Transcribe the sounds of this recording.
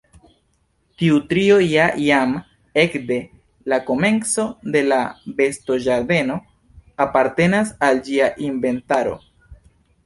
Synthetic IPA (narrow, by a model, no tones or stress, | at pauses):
tiutɾio̞jajam | e̞kde̞ | lako̞me̞nt͡so̞de̞labe̞sto̞ʒaɾde̞no̞ | apaɾte̞nasald͡ʒiaʔiɱbe̞ntaɾo̞̰